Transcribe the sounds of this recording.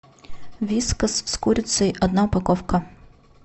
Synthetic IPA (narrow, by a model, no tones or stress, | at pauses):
ʋʲiskɐsskuɾʲʊt̪ʲsʲɐiʔɔd̪naʊpɐkɔwkɐ